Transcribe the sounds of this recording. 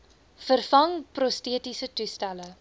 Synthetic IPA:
fərfɐŋprɔstiətisətustælə

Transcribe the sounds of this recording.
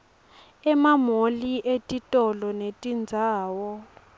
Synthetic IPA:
ɛmamoliʔetʼitʼɔlɔnetʼind͡zʱaːwɔ

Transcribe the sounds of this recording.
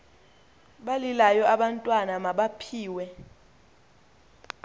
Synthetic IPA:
ɓalilajɔʔaɓantʼwanamaɓapʰiːwɛ

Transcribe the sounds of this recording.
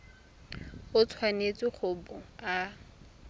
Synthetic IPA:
ʊt͡sʰwanet͡sʼɪχʊbʊa

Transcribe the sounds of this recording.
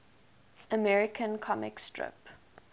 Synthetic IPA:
ʔəmɛɹɪkʰə̃nkʰɔmɪ̰kstʰɹɪ̰p

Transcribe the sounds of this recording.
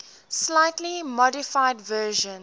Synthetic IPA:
slaɪtlimɔdɪfaɪdvɜːʒə̃n

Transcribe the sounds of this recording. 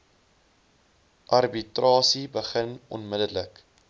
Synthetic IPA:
ʔɐrbitrɑːsibəχənɔnmədələk

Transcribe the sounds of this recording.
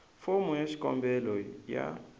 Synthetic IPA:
fomujaʃi̥kʼɔ̰mbɛlɔja̰

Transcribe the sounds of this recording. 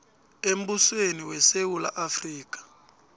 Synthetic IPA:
em̩busweniwɛsewula̰ʔafriːk̬ʼḁ

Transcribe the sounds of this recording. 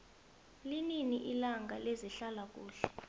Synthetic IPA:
lininiʔilaŋɡʱaleziɬalak̬ʼuːɬɛ

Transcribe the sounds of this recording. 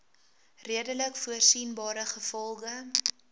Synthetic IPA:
riədələkfuərsinbɑːɾəχəfɔlˠχə

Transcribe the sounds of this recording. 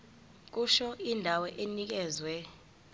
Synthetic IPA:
k̬ʼuʃɔindʱawɔʔenik̬ʼɛːzwɛ

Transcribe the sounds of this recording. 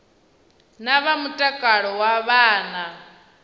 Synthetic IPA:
naβamutʼakʼaɺɔwaβaːna

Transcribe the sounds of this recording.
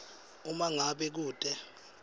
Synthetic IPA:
umaŋaɓɛk̬uːtʼɛ

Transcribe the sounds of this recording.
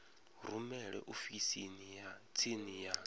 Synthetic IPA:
rumɛɺɛ̰ʔofisinijat͡sʰinija

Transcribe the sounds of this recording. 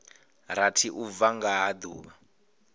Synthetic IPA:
ɾatʰiʔuvaŋɡaɦːd̪uːβa

